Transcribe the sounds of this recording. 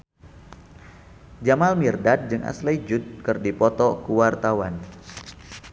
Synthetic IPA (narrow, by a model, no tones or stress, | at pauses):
d͡ʒamalmirdat̪̚d͡ʒɨŋʔa̰slajd͡ʒut̪̚kɨrdipɔt̪ɔkuwart̪awan